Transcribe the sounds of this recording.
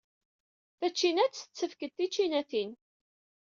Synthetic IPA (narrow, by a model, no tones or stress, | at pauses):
θæt͡ʃːinæt͡sːt͡sːəfkəd̪̚t̪ːit͡ʃːinæθin